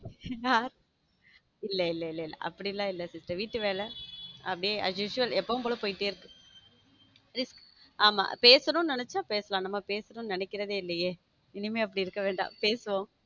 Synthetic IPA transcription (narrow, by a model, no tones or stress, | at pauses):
jaːɾ | ɪlːɐɪlːɛɪlːɛɪlːɐ̰ʔɐ̰pːɐɽilːãːɪlːɐsɪsʈɾɐʋiːʈːɯʋeːlɛɐpːɐɽijeːʔɐ̰d͡ʒjuːʂʊʋɐlɛpːɐʋɯ̃mpoːlõpoːjɪʈːɯɪɾɯkːɯ | ɾɪskaːma̰ːpeːsɐnʊ̃nɪnɛt͡ʃːãːpeːsɐlãːnɐmːɐpeːsɐnʊ̃nɪnɛkːɪɾɐðeːɪlːɛjeː | ɪnɪmeːɐpːɐɽiɪɾɯkːɐʋeːɳɖã̰ːpeːsɯʋõː